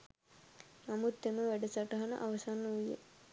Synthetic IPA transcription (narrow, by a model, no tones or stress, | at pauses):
namut̪ːeməʋæɖəsaʈɐɦanə̰ʔaʋɐsanːuʋijḛ